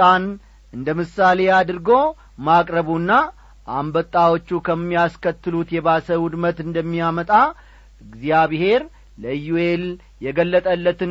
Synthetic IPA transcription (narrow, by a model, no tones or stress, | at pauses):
an | ɨnd̪əmɨsalead̪ɨɾɡo̞ | makʼɾəβunːa | ʔambət̪ʼːawo̞t͡ʃːukʰəmːijaskʰət̪ːɨlut̪jɛbasəwud̪mət̪ɨnd̪əmːijamət̪ʼa | ɨɡzijaβhe̞ɾ | ləjuel | jɛɡəlːət̪ʼəlːət̪ɨ